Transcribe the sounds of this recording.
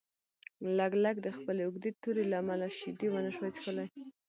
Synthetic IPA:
laɡlaɡ̚d̪əxpəleʊɡd̪et̪uɾelaːmalaʃɪd̪ewanaʃwajt͡sxəlaj

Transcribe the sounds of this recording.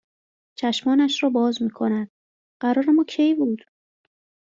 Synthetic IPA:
t͡ʃʰæʃmɒːnæʃɾɒːbɒːzmiːkʰo̞næd̪̥̚ | ɢ̥æɾɒːɾemɒːcʰejbuːd̪̥

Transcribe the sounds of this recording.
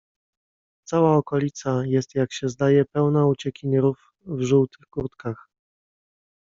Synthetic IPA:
t̪sawaɔkɔlʲit̪sajɛst̪jakɕɛzd̪ajɛpɛwnaut͡ɕɛkʲinɾuf | vʐuwt̪ɘxkuɾt̪kax

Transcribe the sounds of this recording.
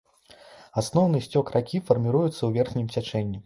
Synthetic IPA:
asnɔwnɨsʲt͡sʲɔkrakʲifɐrmʲiɾujut̪sːɐwvʲɛrxnʲimt͡sʲat͡ʂɛnʲːi

